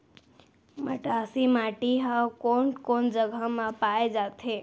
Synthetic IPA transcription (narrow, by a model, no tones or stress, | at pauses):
məʈasimaʈiɦakonkond͡ʒəɡʱəmãpaed͡ʒat̪ʰe